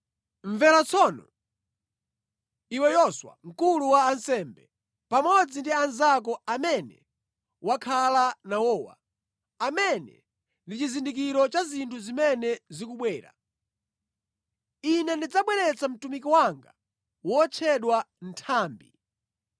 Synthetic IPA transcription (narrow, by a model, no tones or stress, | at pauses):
ɱvɛlat͡sʰɔnɔ̰ | iwɛjɔswa̰ŋ̩kuluwaːnsɛmbɛ | pamɔd͡zindianzak̬ɔamɛnɛ̰ | wakʰalanawɔːwa̰ | amɛnɛ̰ | ndit͡ʃizindik̬iɾɔt͡ʃazintʰuzimɛnɛzikuɓwɛːɾa̰ | inɛndid͡zaɓwɛɾɛt͡sʰam̩tumik̬iwaŋɡa | wɔt͡ʃʰɛɗwan̩tʰaːmbi